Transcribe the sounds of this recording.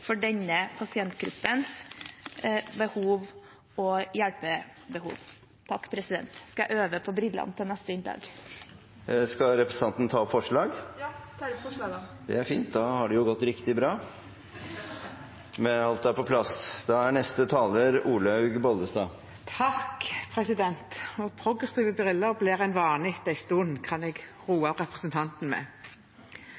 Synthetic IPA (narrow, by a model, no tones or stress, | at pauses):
fɔɖɛɲəpʰɑsɪɛnt̪ɡɾʉpːəns | bəhuːʋ | ɔjæɽpəbəhṵːʋ | t̪ʰɑkːpʰɾɛsɪd̪ɛ̰nt̪skɑjæɪʔøːʋəpʰɔbɾɪlːɑ̰nt̪ʰɪnɛst̪əɪnd̪ɑ̰ːɡ | skɑɾɛpɾəsə̥nɑnt̪n̩t̪ʰɑːɔpfɔʂɭɑːɡ̪ʰ | d̪ɛ̰æɾfḭːnt̪̚d̪ɑhɑɖʉjʊɡɔt̪ːɾɪkt̪ɪbɾɑː | mɛɑlt̪̚d̪ɛæːɾpɔpʰlɑsd̪̥ɑæɳɛst̪ət̪ʰɑːləɾuːləɑʉɡbɔld̪əst̪ɑː | t̪ʰɑkpʰʁɛsɪd̪ɛnt̪ɔpʰɾʊɡʁəsiːʋəbɾɪləblɛːʁæɪnʋɑːnɪt̪æɪst̪uːənkʰɑnɛɡ | ʁuːɑʁɛpʁəsənt̪ʰɑnt̪n̩mɛ̰